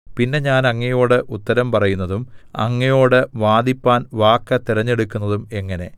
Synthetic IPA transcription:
pinːe̞ɲaːnɐŋːɐjo̞ːɽɨʔut̪ːɐɾɐmpɐrɐjunːɐðumɐ̰ŋːɐjo̞ːɽɨʋaːd̪ipːaːnʋaːkːɐt̪iɾɐɲːe̞ɽukʲːunːɐðume̞ŋːɐne̞

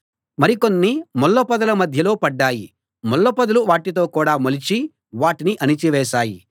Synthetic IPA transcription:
mɐɾikonːimɔlːopɐd̪ɐlɐmɐd̪ʱjɐlo̞ːpɐɖːaːji | mɔlːɐpɐd̪ɐluʋaːʈit̪̬o̞ːkuːɽaːmolit͡ʃi | ʋaːʈiniʔɐnit͡ʃiʋɛːʃaːji

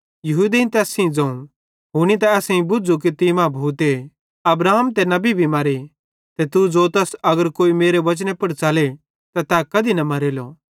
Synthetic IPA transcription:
jɐɦuːd̪eĩnt̪ɛːsĩd͡zɐ̃ːũ | ɦʊñit̪̬ɐɛːsẽĩbʊd͡zuk̬it̪imãbʱuːt̪e | ɐbɾaːɦəmt̪ɛnɐbibʱimɐɾi | t̪ɛt̪ud͡zoːt̪ɛːsɐɡəɾkoːimeːɾeʋɐt͡ʃnẽpɐɽt͡saːle | t̪at̪aːkɐd̪inɐmɐɾeːlo

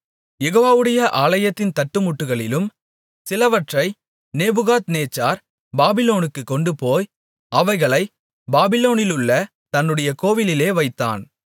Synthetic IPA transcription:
jɛɣoːʋaːʋɯɽɐjɐʔaːlɐjɐt̪ːɪnt̪ɐʈːɯmʊʈːɯɣɐɭɪlɯm | sɪlɐʋɐʈrɐɪ | neːbɯɣaːt̪neːt͡ʃːaːɾ | baːbɪloːnɯkːɯkːɔɳɖɯpoːj | ɐʋɐɪɣɐɭɐɪ | baːbɪloːnɪlɯɭːɐ | t̪ɐnːɯɽɐjɐkoːʋɪlɪleːʋɐɪt̪ːa̰ːn

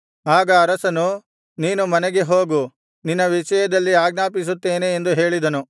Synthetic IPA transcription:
aːɡɐːɾɐsɐnu | niːnumɐnɛɡeɦo̞ːɡu | ninːɐʋiʃɐjɐd̪ɐlːiaːɡnaːpis̬ut̪ːe̞ːneːnd̪uɦe̞ːɭid̪ɐnu

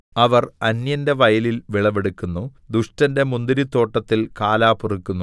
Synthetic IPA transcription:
ɐʋɐrɐnjɐnde̞ʋɐjɐlilʋiɭɐʋeɽukʲːunːu | d̪uʂtɐnde̞mund̪iɾit̪ːo̞ːʈːɐt̪ːilkaːlaːpurikʲːunːu

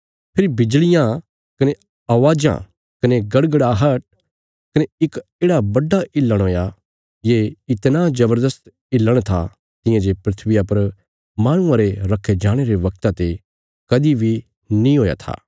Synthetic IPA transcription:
pʰɪɾibɪd͡ʒlɪjã | kɐne | ɐʋaːd͡ʒã̰ | kɐneɡɐɽɡəɽaːɦɐʈ̚ | kɐneɪkeːɽabɐɖːaʔɪlːəɽ̃ɦoːja | jeɪt̪nazɐbəɾd̪əst̪ | ɪlːəɽ̃t̪ʰa̰ | t̪ɪ̃jãd͡ʒepɾɪt̪ʰʋɪjapɐɾ | maːɽ̃ũãɾeɾɐkʰːed͡ʒaːɽ̃eɾeʋɐk̚t̪at̪e | kɐd̪ibʱi | nĩɦoːja̰t̪ʰa̰ː

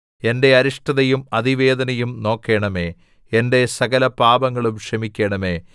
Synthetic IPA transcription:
e̞nde̞ɐɾuʂʈɐðɐjumɐðiʋe̞ːd̪ɐnɐjumno̞ːkːe̞ːɳɐme̞ː | ende̞sɐɡɐlɐpaːbɐŋːɐɭumɕɐmikʲːeːɳɐme̞ː

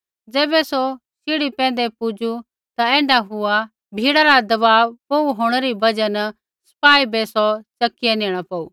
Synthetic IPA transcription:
d͡zɛːbɛso | sɪɽipɛ̃ːn̆d̪ɛpʊd͡ʒu | t̪aɛ̃ːɳɖaɦʊa | bʱiːɽaɾad̪ɐbaːʋpouɦoːɽ̃əɾibɐd͡ʒən | sɐ̥paːibɛsɔt͡ʃɐkːɪjenẽːɽ̃apɐːuː

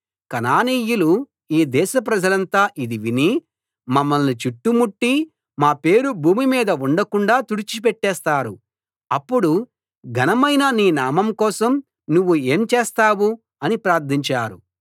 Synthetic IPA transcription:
kɐnaːniːjulu | iːd̪ɛːʃɐpɾɐd͡ʒɐlɐnt̪aːʔid̪iʋini | mɐmːɐlnit͡ʃiʈːumuʈːi | maːpe̞ːɾubʱuːmimiːd̪ɐuɳɖɐkuɳɖaːt̪uɽit͡ʃip̬ɛʈːɛːst̪aːɾu | ɐpːuɽu | ɡʱɐnɐmɐjnɐniːnaːmɐmkɔːsɐm | nuʋːue̞ːmt͡ʃeːst̪aːwu | ɐnipɾaːɾt̪ʰiɲt͡ʃaːɾṵ

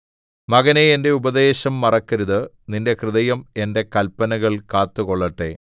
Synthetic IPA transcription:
mɐɣɐneende̞ubɐd̪e̞ːɕɐmːɐrɐkːɐɾuðɨ | ninde̞krɨðɐjɐme̞nde̞kɐlpːɐnɐɣɐɭkaːt̪ːuɣo̞ɭːɐʈːe̞̰

